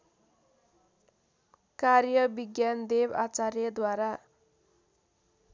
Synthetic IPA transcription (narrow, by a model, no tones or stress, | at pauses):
karjʌbiɡjand̪eba̰t͡saɾjʌd̪waɾa